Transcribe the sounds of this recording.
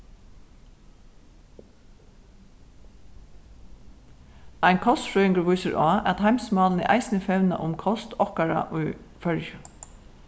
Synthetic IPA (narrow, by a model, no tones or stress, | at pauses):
æɪŋkʰɔst̪fɹœʏɪŋkəɹʋuːsəɾʔɑːɛt̪hæɪmsmɑːlnḭʔæ̰ɪsnəfɛʋnɑ̰ʔʊmkʰɔst̪ʰɔkaɹa̰ʔʊː | fœɹjə